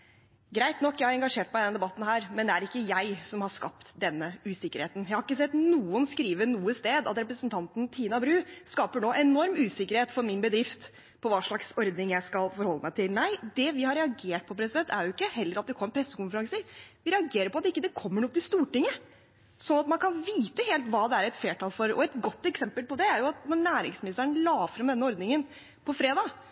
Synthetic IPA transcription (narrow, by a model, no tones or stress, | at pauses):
ɡɾæɪt̪nɔkːjæɪhɑɾɛŋɡɑʂeːʈ̚mæɪd̪ɛnd̪ɛbɑt̪ːn̩hæːɾmɛnd̪ɛæɾɪkːəjæɪsɔmhɑʂkɑpt̪d̪ɛnːəʉːsɪkːəɾheːt̪n̩jæɪhɑɾɪkːəsɛt̪nuːənskɾiːʋənuːəst̪eːd̪ɑ̰t̪ɾɛpɾəsənt̪ʰɑnt̪n̩t̪ʰiːnɑbɾʉːskɑːpəɳoːʔɛnɔɾmʉːsɪkːəɾheːt̪fɔɾmɪnbəd̪ɾɪft̪ | pʰɔʋɑːʂɭɑksɔɾd̪nɪŋjæɪskɑlfɔɾhɔlːəmæɪt̪ʰɪlnæɪd̪ɛʋɪhɑɾːɛɑɡeːʈ̚pʰɔpʰɾɛs̬ɪd̪ɛnt̪ʰæ̰ɾjʊɪkːəɦɛlːəɾɑt̪̚d̪ɛkʰɔmːəɾpʰɾɛsːəkʊnfəɾɑŋsəʋɪɾɛɑɡeːɾəɾpɔɑt̪ɪkːəd̪ɛkʰɔmːəɳɔɡ̚t̪ɪst̪uːʈɪŋːə | sɔnːɑt̪mɑnkʰɑnʋiːt̪əheːlt̪ʋɑːd̪ɛæɾɛt̪fleːʈɑːlfɔɾɔ̰ɛt̪ɡɔt̪ːɛksɛmpəlpɔd̪ɛæɾjʊɑt̪nɔɳæːɾɪŋsmɪnɪst̪əɳəlɑːfɾɑmd̪ɛnːəɔɾd̪nɪŋən | pʰɔfɾeːd̪ɑː